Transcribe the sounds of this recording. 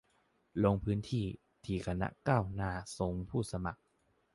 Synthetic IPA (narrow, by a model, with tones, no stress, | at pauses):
lo˧ŋpʰɯː˦˥nt̪ʰiː˥˩ | t̪ʰiː˨˩kʰa˧na̰˦˥kaː˥˩wnaː˧˩so˨˩˦ŋpʰuː˥˩sa˧ma˨˩k̚